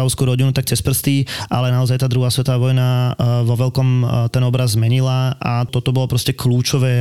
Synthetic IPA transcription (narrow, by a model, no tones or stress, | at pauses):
aʊskuɾɔɟinut̪ak̚t͡sɛspr̩st̪iːʔalɛnaɔzajt̪aːd̪ɾuɦaːsʋɛt̪ɔʋaʋɔjnaʋɔʋɛlkɔmt̪ɛnɔbɾazːmɛɲilaat̪ɔt̪ɔbɔlɔpɾɔscɛkluːt͡ʃɔʋɛː